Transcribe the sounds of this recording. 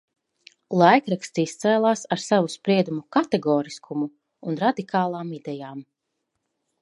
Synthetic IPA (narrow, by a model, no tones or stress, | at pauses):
lˠajkɾakst̪iist̪sɛːlˠaːsaɾsavuspɾiɛd̪umukat̪ɛɡɔːɾiskʰumuː | nɾad̪ikʰaːlˠaːmid̪ɛjaːm